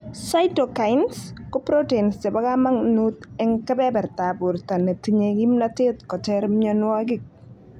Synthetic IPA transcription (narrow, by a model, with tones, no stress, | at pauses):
sa˦ɪto˨ka˨jɪnskɔ˦pɾo˦te˨nstɛ˨ba˦ɡa˦ma˦ŋnut̪ɛ˦ŋkɛ˦bɛ˦bɛ˨ɾt̪a˨bʊ˨ɾt̪a˨ne˨t̪iɲe˨ɡi˦mnatɪ˦t̪kɔ˨tɛɾmɪɔnwɔ˦ɡɪ˦k̚